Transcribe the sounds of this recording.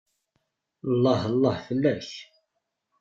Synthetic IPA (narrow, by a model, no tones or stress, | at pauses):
lˤːɑhəlˤːɑhfəlːæç